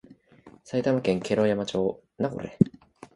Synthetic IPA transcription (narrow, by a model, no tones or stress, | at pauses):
sait̪amakẽ̞ŋke̞ɾoːjamat͡ɕo̞ː | naɡo̰ɾe